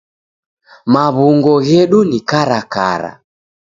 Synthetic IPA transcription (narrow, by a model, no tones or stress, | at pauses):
maβuŋɡɔɣɛɗunikaɾaka̰ɾa̰